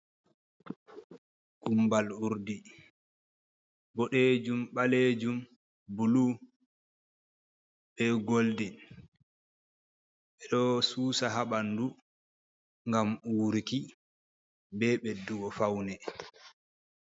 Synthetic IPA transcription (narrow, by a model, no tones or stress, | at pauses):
ɡ̥umbaluɾdi | bɔɗed͡ʒumɓaled͡ʒum | bulu | ɓɛɡoldɛ | ɓɛɗɔsuːsaɦaɓandu | ŋɡamuːɾiki | bɛɓɛduɡɔfawnɛ